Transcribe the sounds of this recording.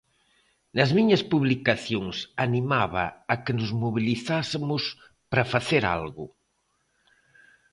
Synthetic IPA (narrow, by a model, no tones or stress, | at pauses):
nɐzmiɲɐspuβlikaθjoŋsanimaβ̞ɐ̰ːkenʊzmoβ̞iliθasemʊs | pɾɐfaθeɾa̰lɣʊ